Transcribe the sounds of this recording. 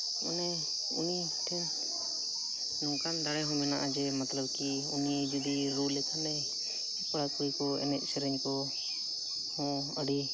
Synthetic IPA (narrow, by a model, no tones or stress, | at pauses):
ṵnɛ | ṵni | ʈʰɛn | nɔ̃kand̪aɽɛɦɔ̃mɛnaʔad͡ʒɛmat̪ləb̚ki | uniɛd͡ʒɔd̪iɾulɛkʰanɛ | pəɽakuɾikɔɛ̰nɛʔ̚sɛɾɛɲkɔ | hɔ̃ | əɖi